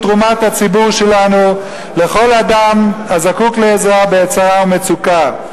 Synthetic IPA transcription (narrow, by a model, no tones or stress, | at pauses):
t̪ʁumat̪hat͡sibuʁʃe̞lanu | le̞χo̞ladamhazakukleːzoabeet͡saʁaume̞t͡suka